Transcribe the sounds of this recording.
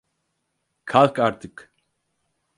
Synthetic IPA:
kʰalkaɾt̪ɪk

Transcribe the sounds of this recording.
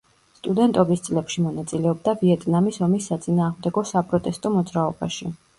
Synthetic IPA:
st̪ʼud̪ɛnt̪ʼɔbist̪sʼlɛpʃimɔnat̪sʼilɛɔb̚d̪aviɛt̪ʼnamisɔmisːat̪sʼinaːʁmd̪ɛɡɔsapʼɾɔt̪ʼɛst̪ʼɔmɔd̪zɾaɔbaʃi

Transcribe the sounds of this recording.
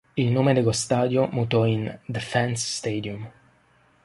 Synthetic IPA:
ilnoːmed̪eɡost̪aːd̪jomut̪ɔind̪efɛnsːt̪ed̪jum

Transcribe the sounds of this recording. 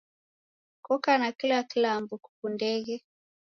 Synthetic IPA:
kɔkanakilakilambuku̥kundɛɣɛ

